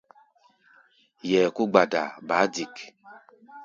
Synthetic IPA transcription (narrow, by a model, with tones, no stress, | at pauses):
jɛ˨ku˦ɡ͡ba˨da̰˨ba˨˦di˨k